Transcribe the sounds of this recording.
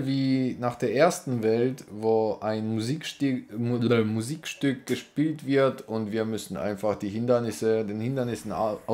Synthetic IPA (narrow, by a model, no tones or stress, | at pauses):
viːnaːχd̥eːɐʔeːɐstn̩vɛltvoːʔaɪnzi | muziːkʃtʏk̚ɡ̥əʃpiːltv̥ɪɐtʊntv̥iːɐmʏsn̩ʔa̰ɪnfaχd̥iːɦɪndɐnɪsədeːnhɪndɐnɪsn̩